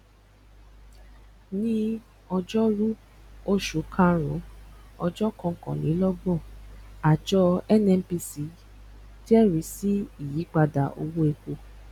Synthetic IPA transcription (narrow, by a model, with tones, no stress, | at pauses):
nĩ˦ | ɔ˧d͡ʒɔ˦ɾu˦ | o˦ʃu˨˦kʰã˦˧ɾ̃ɔ̰̃˨˦ɔ˧d͡ʒɔ˦kɔ̃˧˨kɔ̰̃˨nĩ˨˦lɔ˦bɔ˦˨a˨d͡ʒɔ˧˦ɛ˦nɛ̃˧˦pi˧si˨˦ | ti˦ɛ˦˨ɾi˨˦si˦i˦˨ji˨˦k͡pa˧da̰˨ʔo̰˧wo˦e˧ko˧